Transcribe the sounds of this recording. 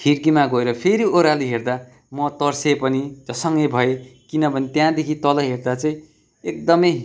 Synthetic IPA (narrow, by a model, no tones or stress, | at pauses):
hʰirkimaɡoeɾʌpʰeɾioɾaliɦerd̪a | mʌt̪ʌrsepʌnid͡zʌsʌŋɡʌjbʱʌekinʌbʱʌnit̪jãd̪ekʰit̪ʌlʌɦerd̪at͡sʌĩ | ek̚d̪ʌmʌj